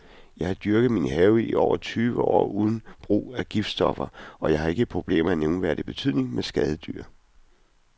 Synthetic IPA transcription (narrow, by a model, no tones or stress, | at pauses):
jɑ̈ɪhɑ̈d̥yɐɡ̥ð̩ˠminəhɛʊiiʔɒʊ̰ɐt͡sʰyːʋəɒ̰ːuð̞ˠn̩b̥ʁṵːæɡ̥ifd̥sd̥ɒ̽fɐɒ̽jɑ̈ɪhɑ̈e̝ɡ̥əpʰʁo̝b̥le̝̰ːmeæneʊnʋæːɐd̥e̝b̥e̝t͡sʰy̰ð̞̰ˠne̝ŋmesɡ̥ɛð̞ˠəd̥yɐ̰